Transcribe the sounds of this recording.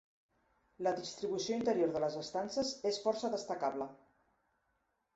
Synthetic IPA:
ləðist̪ɾiβusioint̪əɾijoɾðələzəst̪ansəzesfɔɾsəðəst̪əkaβlə

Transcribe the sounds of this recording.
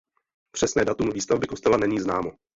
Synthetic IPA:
pr̥ɛsnɛːdat̪umviːst̪avbɪko̞st̪ɛlanɛɲiːznaːmo

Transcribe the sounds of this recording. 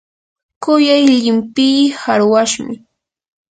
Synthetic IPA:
kʊjajʎɪmpiːhaɾwaʃmɪ

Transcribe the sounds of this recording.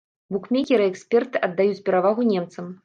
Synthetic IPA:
bukmʲekʲɛɾɨɛksʲpʲɛrt̪ɨʔɐd̪ːajut͡sʲpʲɛɾavaɣunʲɛmt̪sɐm

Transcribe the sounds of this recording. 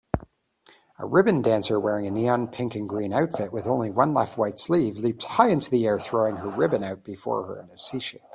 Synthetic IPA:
ə̰ɹɪbɨ̃ndæ̃nsə˞wɛɹɪ̃ŋɨniɑ̃npʰɪ̃ŋkɨ̃nɡɹĩnaʊtfɪt̚wɨðõʊ̃nliwʌ̃nlɛ̰ft̚waɪtslivlip̚t̚haɪɪ̃ntʉðiɛɹθɹoʊɪ̃ŋə˞ɹɪbɨ̃naʊt̚b̥ɨfɔ̰ɹə̰˞ɨ̰̃nɨsiʃɪp

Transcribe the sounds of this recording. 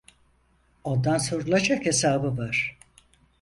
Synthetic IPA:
ond̪anso̞ɾulˠad͡ʒakhesaːbɯvaɾ̥

